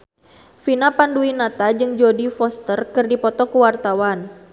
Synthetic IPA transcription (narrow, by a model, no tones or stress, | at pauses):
finapanduinat̪ad͡ʒɨŋd͡ʒodifɔst̪ərkɨrdipɔt̪ɔkəwart̪awan